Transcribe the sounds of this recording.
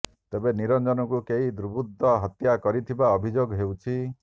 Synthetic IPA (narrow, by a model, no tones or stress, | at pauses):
t̪ebeniɾɔnd͡ʒɔnɔkukeɦid̪ɾubud̪ʱːɔɦɔt̪jakɔɾit̪ʰibaɔbʱid͡ʒoɡɦewt͡ʃʰi